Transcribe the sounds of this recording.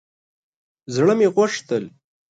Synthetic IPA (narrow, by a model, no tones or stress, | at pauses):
zɽəmeɣwaʂt̪əl